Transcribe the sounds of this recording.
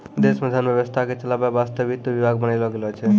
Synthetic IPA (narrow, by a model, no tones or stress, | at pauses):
d̪esməd̪ʱanbjəbəst̪ʰaket͡ʃəlababast̪əbit̪ːbibʱaɡmənajlɔɡelɔt͡ʃʰɛ